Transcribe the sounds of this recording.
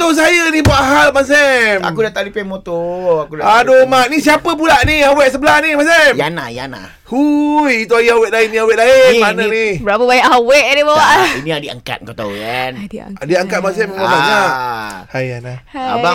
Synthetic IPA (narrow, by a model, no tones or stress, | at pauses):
t̪os̬ajənibuaʔɦalmas̬ɛma̰kudat̪aʔdipemot̪oakudaadomaʔ̚nis̬iapəp̬ulaʔnihawɛʔs̬əbəlahnimas̬ɛmjana̰ja̰na̰ | hujit̪uajəɦawɛʔ̚laɪniawɛʔ̚laɪmanənibəɾapəbaɲaʔɦawɛʔnibawaʔiniadia̰ŋka̰t̪̚kot̪a̰ɣana̰diaŋkat̪̚mas̬ɛmemãbaɲaʔhajanaa̰ba